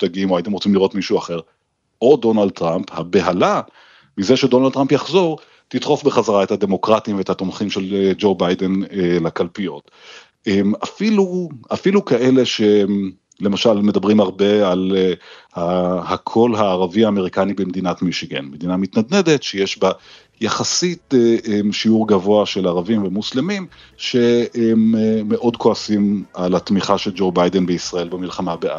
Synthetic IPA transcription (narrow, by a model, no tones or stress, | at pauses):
t̪aɡiimoajit̪̬emʁot͡simliʁo̞t̪miʃuaχe̞ʁ | o̞do̞nald̪̚t̪ʁamphabe̞ɦala | mize̞ʃedo̞nald̚t̪ʁampjaχzo̞ʁ | t̪it̪ʁo̞fbeχazaʁaethad̪e̞mo̞kʁatimveethat̪omχimʃeld͡ʒo̞bajdenelakalpijo̞t̪ | emafiluafilukaʔe̞le̞ʃe | le̞maʃalme̞dabʁimaʁbe̞alehahakʰo̞lɦaːʁaviaːme̞ʁikanibemed̪inatmiʃiɡḛnmed̪inamit̪nad̪ne̞d̪e̞tʃejeʃba | jaχasiteemʃiuʁɡavo̞aʃe̞laʁavimvemuslemim | ʃe̞mːeʔo̞dkoasimalhatmiχaʃe̞ld͡ʒo̞bajdenbeisʁae̞lbemilχamabeʔa